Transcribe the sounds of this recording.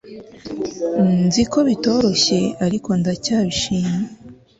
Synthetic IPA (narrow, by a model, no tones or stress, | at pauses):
nziko̞βito̞ɾo̞ɕe̞aɾiko̞ndacaːβiʃiːɲe